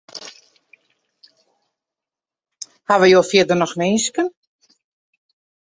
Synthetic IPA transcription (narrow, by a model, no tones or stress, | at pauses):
haʋəjoːfjɪdərnɔxneːnskən